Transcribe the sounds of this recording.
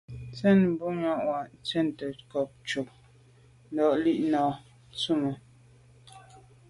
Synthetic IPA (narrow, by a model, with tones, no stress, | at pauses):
t͡sɛ˦˨n˦bu˦ɲɔ˦˨ʔwa˨ʔn˨t͡sɛ˦˨n˨tə˨kɔ˨p̚t͡ʃo˨k̚ | n̩˦dɔ˨ʔli˦ʔnɔː˨ | t͡su˦˨mə˨